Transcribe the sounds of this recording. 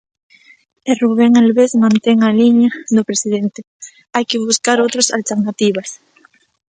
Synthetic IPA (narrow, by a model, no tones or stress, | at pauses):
eruβeŋalβezmãnt̪eŋaliɲaðʊpɾesiðent̪ɪ | ajkɪβuskaɾowt̪ɾasa̰lt̪eɾnat̪iβas